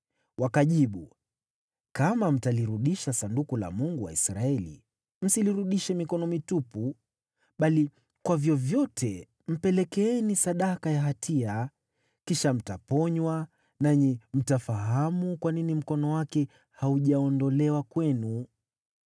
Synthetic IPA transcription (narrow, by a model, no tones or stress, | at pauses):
wakaʄiɓu | kamam̩taliɾuɗiʃasandukula̰muŋɡuwa̰isɾaɛlḭ | m̩siliɾuɗiʃɛmikɔnɔmitupu | ɓali | kwavjɔvjɔtʰɛ | m̩pɛlɛkɛɛnisaɗakajaɦatʰia | kiʃam̩tapɔɲwa | naɲim̩tafaɦamukwaninim̩kɔnɔwakɛ | hauʄaɔndɔlɛwakwɛnu